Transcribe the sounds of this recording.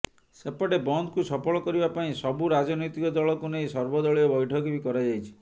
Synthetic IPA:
sepɔɽebɔnd̪kusɔpʰɔɭɔkɔɾibapaĩsɔbuɾad͡ʒɔnɔjt̪ikɔd̪ɔɭɔkunejsɔɾbɔd̪ɔɭiɔbɔjʈʰɔkebikɔɾad͡ʒajt͡ʃʰi̥

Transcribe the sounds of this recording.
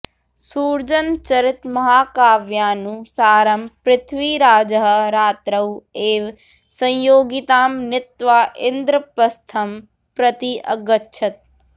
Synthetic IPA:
suːɾd͡ʒənt͡ʃɐɾɪt̪mɐɦaːkaːʋjaːnũsaːɾɐmpɾɪt̪ʰʋiɾaːd͡ʒəɦɾaːt̪ɾɐweːʋ | sɐ̃joːɡɪt̪aːmnɪt̪ʋaːʔɪnd̪ɾəpɐst̪ʰɐm | pɾɐt̪iʔɐɡətːʃʰɐt̪̚

